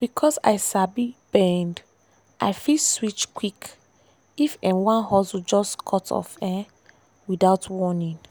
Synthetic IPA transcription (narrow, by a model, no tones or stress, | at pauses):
b̥ikʰɔsa̰ɪsabibɛ̃nd | ʔaɪfiswit͡ʃkʰwik | ifɛ̃nwãnhɔswud͡ʒɔskʰɔtʰɔ̰fɛ̃ | widaʊtʰwɔnĩn